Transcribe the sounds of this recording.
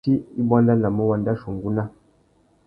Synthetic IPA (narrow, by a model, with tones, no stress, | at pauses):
i˦i˦ba˦nla˦na˨mə˦wa˨˦nda˦ʃo˨ŋɡu˦na˦